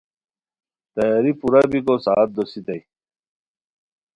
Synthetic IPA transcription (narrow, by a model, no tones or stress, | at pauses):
t̪ɐjaːɾipuɾɐbikosaːt̪̚d̪osit̪ɐj